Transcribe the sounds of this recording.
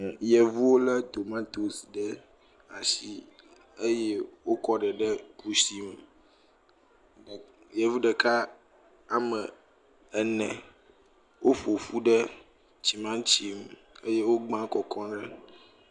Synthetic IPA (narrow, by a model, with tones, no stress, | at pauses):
jɛ˨vu˦wo˦lə˦t̪o˨mã˦t̪o˨si˨ɖɛ˦ | a˨si˦ | e˦jɛ˦wo˦kɔ˦ɖɛ˨ɖɛ˦ku˦si˦m˨ | jɛ˨vu˦ɖɛ˨ka˦ | a˨mə˨ | ɛ˨nɛ̃˨ | wo˦ɸo˨fu˦ɖɛ˦ | t͡ɕi˨mã˦t͡ɕi˦m | e˦je˦wo˦ɡ͡bã˦kɔ˨kʰɔ̃˦ɖɛ˦